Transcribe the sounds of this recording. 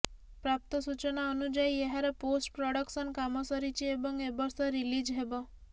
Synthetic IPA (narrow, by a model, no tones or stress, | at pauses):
pɾap̚t̪ɔsut͡ʃɔnaɔnud͡ʒaieɦaɾeposʈpɾɔɽɔksɔnkamɔsɔɾit͡ʃiebɔŋebɔɾsɔɾilid͡ʒɦebɔ